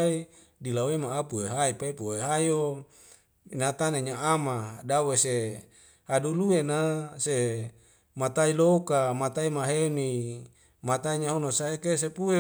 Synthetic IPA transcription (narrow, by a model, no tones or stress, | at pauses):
i | dilawemaːpuweɦaipaipuweɦaio | nat̪aneɲaamadawese | haduluenase | mat̪ailokamat̪aimaɦeni | mat̪aiɲaɦonosaekesepue